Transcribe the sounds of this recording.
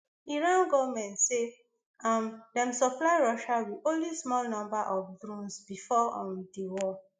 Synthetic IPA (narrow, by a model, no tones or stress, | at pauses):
iɹãnɡɔvmɛ̃ntse | amdɛ̃msɔplaɪɹɔʃawiõnlismɔlnɔ̃mbaʔɔfdɹũnsbifɔɔ̃mdewɔ